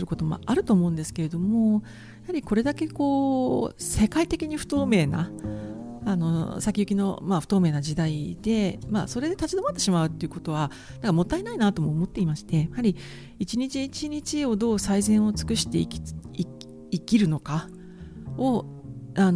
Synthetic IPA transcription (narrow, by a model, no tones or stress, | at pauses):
ɨɾɯ̟ko̞t̪o̞mo̰aɾɯ̟t̪o̞ːmo̞ɯ̟̃nd̪e̞sɨ̥ke̞ɾe̞d̪o̞mo̞ | jahaɾʲiko̞ɾe̞d̪ake̞ko̞ː | se̞kait̪e̞kʲiɲ̟iɸɯ̟̥t̪o̞ːme̞ːna̰ | ano̞sakʲiɯ̟kʲino̞maɸɯ̥t̪o̞ːme̞ːnad͡ʑid̪aid̪e̞ma̰ːso̞ɾe̞d̪e̞t̪at͡ɕid̪o̞mat̪ːe̞ɕimaɯ̟t̪ːe̞iɯ̟ko̞t̪o̞β̞a | nãŋkamo̞t̪ːainainat̪o̞mo̞ːmo̞t̪ːe̞imaɕi̥t̪e̞jahaɾʲi | it͡ɕiɲ̟it͡ɕiit͡ɕiɲ̟it͡ɕio̞d̪o̞ːsaizẽ̞ɰ̃o̞t͡sɨ̥kɯ̟ɕi̥t̪e̞̰ikʲi | ikʲiɾɯ̟no̞ka | o | an